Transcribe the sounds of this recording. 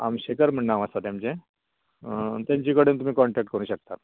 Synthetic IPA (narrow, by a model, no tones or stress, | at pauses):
a̰mɕekəɾm̤əɳːaʋəst̪at̪jamt͡ɕẽ | t̪jaɲt͡ɕikəɽeːnt̪um̤iːkɔɳʈɛk̚ʈ̚kəɾuːɕək̚t̪at̪